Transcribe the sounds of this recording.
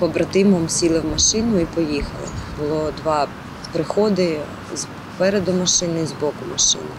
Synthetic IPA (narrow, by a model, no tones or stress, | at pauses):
pɔbɾɐt̪ɪmɔmsʲilˠɪwmɐʃɪnʊipɔjixɐlˠɪ̰bʊlˠɔd̪ʋɑ | pɾɪxɔd̪ɪ | z | pɛɾed̪ʊmɐʃɪnɪizbɔkʊmɐʃɪ̰nɪ